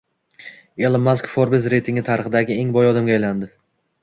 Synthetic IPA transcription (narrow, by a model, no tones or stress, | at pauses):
elˠɪmaskfoɾbɪzɾe̞jt̪ʰɪŋʲɪt̪ʰaɾɨχɨd̪aɡʲɪe̞ŋbɒjɒd̪ɪmɡʲaːjland̪ɪ